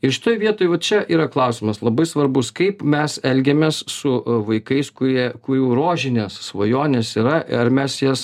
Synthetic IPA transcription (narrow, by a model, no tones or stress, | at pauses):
ɪʃʲɪ̥t̪oːjʋʲiɛt̪oːjʋɐtt͡ʃʲɛʔiːɾɐklˠɐʊsʲɪmɐslˠɐbɐɪsʋɐɾbʊskɐɪpmʲɛsɛlʲɡʲɛmʲeːssʊʋɐɪkɐɪskʊɾʲiɛkʊɛʊɾoːʒʲɪnʲeːssʋojoːnʲeːsiːɾɐɐrmʲɛsjɛs